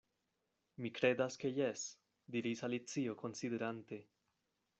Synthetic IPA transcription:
mikɾe̞daske̞jes | diɾisalit͡sio̞kʰo̞nside̞ɾante̞

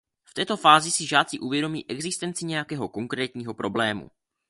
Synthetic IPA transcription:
ft̪ɛːt̪o̞faːzɪsɪʒaːt͡sɪʔuvjɛdo̞mḭːʔɛɡzɪst̪ɛnt͡sɪɲɛjakɛːɦo̞ko̞ŋkɾɛːt̪ɲiːɦo̞pɾo̞blɛːmṵ

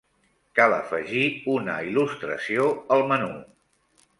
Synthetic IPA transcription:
kaləfəʒiunəilust̪ɾə̰sioəlˠmənu

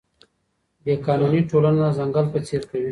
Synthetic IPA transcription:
b̪ekɑːnuniʈolananazaŋɡalpət͡seɾkawi

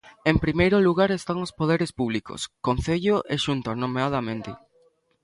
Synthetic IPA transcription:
empɾimejɾʊluɣaɾest̪aŋospoð̞eɾespuβ̞liko̰skon̟θeʎoʔeʃunt̪onomeað̞ɐmẽnt̪ɪ̰

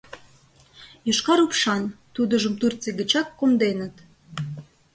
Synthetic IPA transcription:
juʃkɑɾupʃɑnt̪ud̪ə̆ʒə̆mt̪urt͡seɡə̆t͡ɕɑkːomd̪enə̆t̪

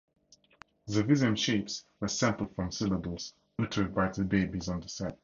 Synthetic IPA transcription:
ðəvɪzə̃mʃeɪpswə˞sɛ̃mpl̩ˠd̥fɹɔ̃msɪləbəl̩ˠs | ʉtʰəd̚baɪðəbeɪbizɔ̃nðəsɛd̚

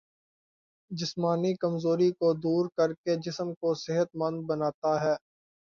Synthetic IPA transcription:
d͡ʒɪsmaːnikəmzoːɾikod̪uːɾkəɾked͡ʒɪsəmkosɪɦət̪mɐ̃nd̪̚bənaːt̪aɦɛː

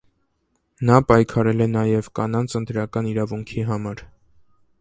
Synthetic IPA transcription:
nɑpɑjkʰɑɾɛlɛnɑjɛvkɑnɑnt͡sʰənt̪ɾɑkɑniɾɑvuŋkʰiɦɑmɑɾ

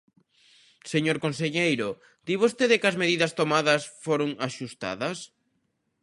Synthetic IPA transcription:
seɲoɾkonseʎejɾʊ | d̪̥iβost̪eðɪkɐzmeðiðɐst̪omaðɐsfoɾoŋaʃust̪a̰ðɐs

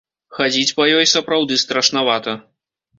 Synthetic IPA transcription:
xad͡zʲit͡sʲpɐjɔjsɐpɾawd̪ɨst̪ɾɐʂnavat̪ɐ

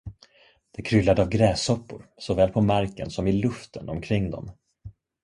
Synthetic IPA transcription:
d̪̥ɛkʰɾʏlːad̪əavɡɾɛːsɔpːʊɾsɔvɛːlpʰɔmaɾkə̰nsɔmɪlɵft̪ʰənɔmkʰɾɪŋːd̪ɔ̰m

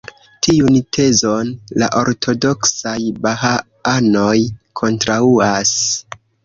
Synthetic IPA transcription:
tʰiuntʰe̞zo̞nla̰ʔo̞ɾtʰo̞do̞ksajbaɦa | ano̞jkʰo̞ntɾauas

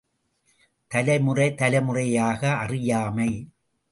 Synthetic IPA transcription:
t̪ɐlɐɪmɯrɐɪt̪ɐlɐɪmɯrɐjaːɣɐʔɐrɪjaːmɐɪ

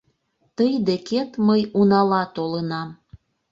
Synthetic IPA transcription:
t̪əjd̪eket̪məjunɑlɑt̪olənɑm

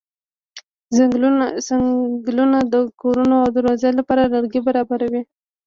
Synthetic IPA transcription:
ɡlunad̪əkoɾunoawd̪əɾwazejlapɑɾalaɾɡibaɾɑbaɾawi

